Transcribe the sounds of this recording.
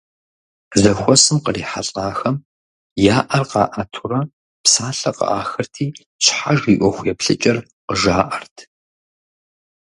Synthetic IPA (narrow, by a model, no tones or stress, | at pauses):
zɐxʷɔsɨmqəriːħaɬʼaːxɐm | jaːʔɐrqɑ̰ːʔatʰurɐ | psaːɬɐqɐ̰ʔaːxɐrtʰiː | ɕħaʒiːʔʷɔxʷjɛpɬɨt͡ʃʼɐr | qəʒaːʔɐrtʰ